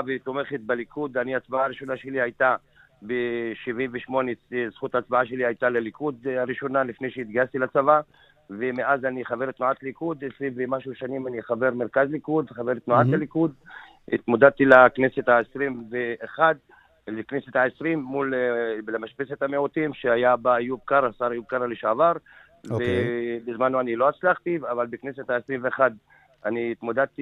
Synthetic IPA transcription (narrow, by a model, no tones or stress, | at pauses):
avet̪omeχet̪̚balikud̪aniat͡sbaaɾiʃo̞naʃelihajt̪a | beʃivimveʃmo̞nezχut̪aːt͡sbaaʃe̞lihajt̪alelikʰud̪aɾiʃo̞nalifnejʃeit̪̚ɡajast̪ilat͡sava | vemeʔazaniχave̞ɾt̪nuat̪likud̪esɾimvemaʃuʃanimaniχave̞ʁmeɾkazlikud̪χave̞ɾt̪nuʕat̪alikud̪ | ḭt̪mod̪ad̪̚t̪ilakneset̪haesʁimveʔːχad̪̚ | lekneset̪haesʁimːullemaʃpeset̪hameot̪imʃeajabajub̚kaɾasaʁjub̚kaʁaleʃavaʁ | ebezmanuanilo̞at͡slaχt̪ivavalbekneset̪haesʁimveeχad̪ | aniːt̪mod̪ad̪̚t̪i